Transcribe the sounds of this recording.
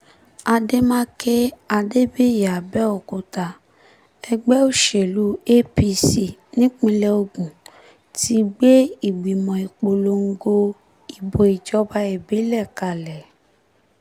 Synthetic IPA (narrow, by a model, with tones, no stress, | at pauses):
a˧de˦mãː˦ke˦a˧de˦be˦˨ja˨bɛ˦ɔ˨ko˧ta˧ | ɛ˧ɡ͡bɛ˦o˦˨ʃe˨lu˨˦e˦pi˧si˦˨nĩ˦k͡pĩ˧lɛ˧o˧ɡũ˨ | ti˦ɡ͡be˦i˦˨ɡ͡bi˨mɔ̃˨i˨k͡po˨lo˧˦ŋ̩˦ɡo˧ | i˨bo˨i˨d͡ʒɔ˨˦ba˧˦ɛ˨bi˨˦lɛ˦˨ka˧˨lɛ˨